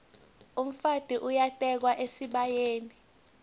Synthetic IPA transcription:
um̩fad̥ʱiʔujatʼɛk̬waʔesiɓajeːni

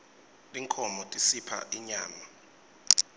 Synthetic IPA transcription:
liŋkʰɔmɔtʼisipʰa̰ʔiɲaːma

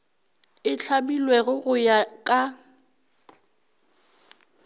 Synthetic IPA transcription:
ɪt͡ɬʰabilweɣʊɣʊjakʼa

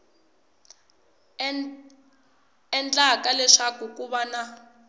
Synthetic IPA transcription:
ɛnt͡ɬʼakalɛʂakukʼuβana

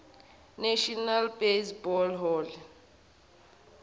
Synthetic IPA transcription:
nɛʃɔnalbesbɔlɦɔl

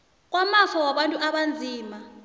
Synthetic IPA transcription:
k̬ʼwamafɔwaɓantʼuʔaɓand͡zʱiːma

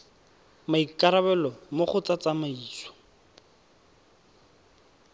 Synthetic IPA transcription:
maikʼaɾabɛlɔmoχʊt͡sat͡samaiːt͡swɔ̥

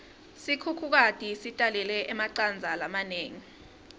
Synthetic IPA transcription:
sikʰukʰuk̬atʼisitʼalɛlɛʔɛmaǀand͡zʱalamaneːŋi

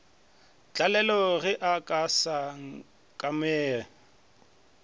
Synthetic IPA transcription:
t͡ɬʼalɛlɔɣɪʔakʼasaŋ̩ | kʼamɛː

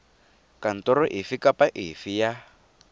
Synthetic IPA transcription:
kan̩tɔɾɔʔifikapaʔifija

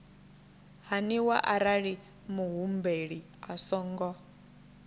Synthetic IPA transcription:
ɦaniwa̰ʔaɾaɺi | muɦumbeɺi | a̰sɔːŋɡɔ

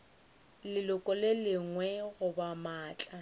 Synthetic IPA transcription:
lɪlʊkʼɔlelɪŋwɛɣʊbamaːt͡ɬʼa

